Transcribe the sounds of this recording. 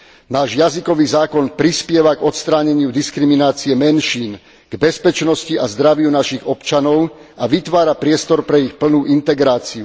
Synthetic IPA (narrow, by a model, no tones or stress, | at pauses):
naːʒjazikɔʋiːzaːkɔnpɾispɪɛʋaɡɔt̪st̪ɾaːɲɛɲɪud̪iskɾiminaːt͡siɛmɛnʃiːn | ɡ̥bɛspɛt͡ʃnɔsciʔazd̪ɾaʋɪunaʃiɣɔpt͡ʃanɔʊaʋit̪ʋaːɾapɾɪɛst̪ɔɾpɾɛixpl̩nuːʔint̪ɛɡɾaːt͡siu